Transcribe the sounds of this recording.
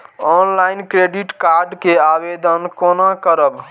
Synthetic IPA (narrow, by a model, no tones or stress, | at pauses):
ɔnlaɪinkɾeɖiʈkaɾɖkeabed̪ənkonakəɾəb